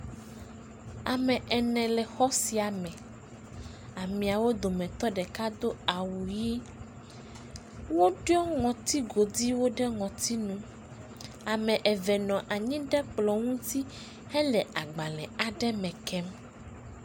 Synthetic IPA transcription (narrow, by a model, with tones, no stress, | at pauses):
a˨mɛ̃˨ʔɛ˨nɛ̃˨lɛ˨xɔ˦si˨a˨mɛ̃˨ | a˨mĩ˨a˨wo˦d̪o˨mɛ̃˨t̪ɔ˦ɖɛ˨ka˦d̪o˦a˨wu˨ji˦ | wo˦ɖjɔ˦ŋɔ̃˨t̪i˦ɡo˨d̪i˦wo˦ɖɛ˦ŋɔ̃˨t̪i˦nũ˦ | a˨mɛ̃˨ʔɛ˨vɛ˨nɔ̃˨ʔa˨ɲĩ˦ɖɛ˦k͡plɔ˨ŋũ˦t̪i˦ | hɛ˦lɛ˨a˨ɡ͡ba˨lɛ̰̃˨a˨ɖɛ˦mɛ̃˨kʰɛ˦m